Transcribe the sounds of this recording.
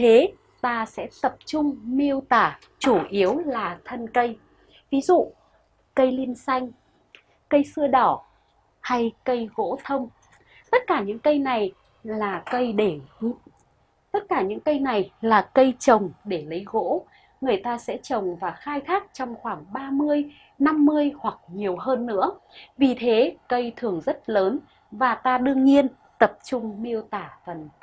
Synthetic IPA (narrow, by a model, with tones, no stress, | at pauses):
t̪ʰe˨˦ | t̪aː˧sɛ̰˧˥t̪ə˨˩p̚t͡ɕʊ˧ŋ͡mmi˧əwt̪aː˧˩ | t͡ɕu˧˩ʔi˨˦əwlaː˨˩t̪ʰə˧nkə˧j | vi˨˦zṵ˧˨ | kə˧jli˧ənsa˧jŋ̟ | kə˧jsɨ˧əɗɔ˧˩ | ha˧jkə˧jɣo̰˧˥t̪ʰə˧wŋ͡m | t̪ə˦˥t̚kaː˧˩ɲɨ̰˧˥ŋkə˧jna˨˩j | laː˨˩kə˧jɗe˧˩ | t̪ə˦˥t̚kaː˧˩ɲɨ̰˧˥ŋkə˧jna˨˩jlaː˨˩kə˧jt͡ɕə˨˩wŋ͡mɗe˧˩lə˨˦jɣo̰˧˥ | ŋɨ˨˩əjt̪aː˧sɛ̰˧˥t͡ɕə˨˩wŋ͡mvaː˨˩xaː˧jt̪ʰaː˦˥k̚t͡ɕɔ˧wŋ͡mxwaː˧˩ŋɓaː˧mɨ˧əj | na˧mːɨ˧əjhwa˨˩k̚ɲi˨˩əwɦəː˧nːɨ̰˧˥əvi˨˩t̪ʰe˨˦kə˧jt̪ʰɨ˨˩əŋzə˦˥t̚ləː˨˦n | vaː˨˩t̪aː˧ɗɨ˧əŋɲi˧ən | t̪ə˨˩p̚t͡ɕʊ˧ŋ͡mmi˧əwt̪aː˧˩fə˨˩n